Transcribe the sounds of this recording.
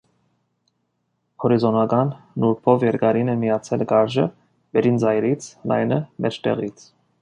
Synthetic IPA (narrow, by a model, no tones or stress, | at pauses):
hɔɾizɔnɑɡɑnːuɾpʰɔvjɛɾɡɑɾinɛmijɑt͡sʰɛlɡɑɾʒə̰ | bɛɾind͡zɑjɾit͡sʰlɑ̰jnəmʔɛt͡ʃt̪ɛ̰ʁit͡sʰ